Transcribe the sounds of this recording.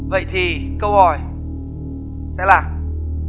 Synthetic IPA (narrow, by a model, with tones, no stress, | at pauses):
və̰˧˨jt̪ʰi˨˩ | kə˧whɔ˨˩j | sɛ̰˧˥laː˨˩